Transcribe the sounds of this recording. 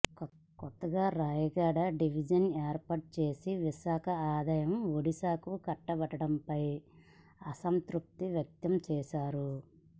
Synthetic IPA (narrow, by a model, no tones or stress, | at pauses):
kɔt̪ːɐɡaːɾaːjɐɡaːɽɐɖiʋid͡ʒɐneːɾpɐʈ̚t͡ʃe̞ːsiʋiʃaːkʰɐaːd̪ɐjɐmoɽisaːkukɐʈːɐbɐʈɐɽɐmpɐj | ɐsɐnt̪ɾuk̚t̪iʋjɐk̚t̪ɐmt͡ʃɛːʃaːɾu